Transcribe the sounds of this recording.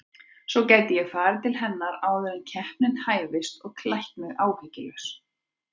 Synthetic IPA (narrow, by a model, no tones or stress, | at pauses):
sɔcajt̪ɪjɛfaːɾɪt̪ʰɪlɦɛnːaɾaːwðɛɾancʰɛhpnɪn̥t̪haːjvɪst̪ɔɣkʰlahkmɪɣaːwhɪcɪlʏs